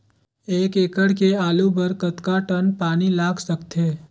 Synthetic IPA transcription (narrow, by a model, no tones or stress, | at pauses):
eːkeːkəɽkeaːlubəɾkət̪kaʈənpaːnilaːɡsəkt̪eː